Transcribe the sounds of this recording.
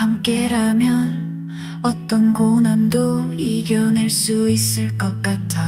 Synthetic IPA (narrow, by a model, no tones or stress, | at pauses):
hamk͈e̞ɾamjʌn | ʌt͈ʌnkonandoiɡjʌneɭs͈uis͈ɯɭk͈ʌk̚k͈atʰa